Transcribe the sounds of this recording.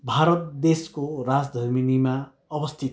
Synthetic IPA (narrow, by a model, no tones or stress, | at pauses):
bʱaɾʌt̪d̪eskoɾad͡zd̪ʱʌɾminima | ʌbʌst̪ʰit̪